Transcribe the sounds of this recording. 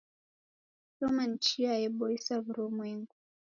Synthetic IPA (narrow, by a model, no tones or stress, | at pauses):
tɔman̩t͡ʃiajɛɓɔisaβuɾɔmweŋɡu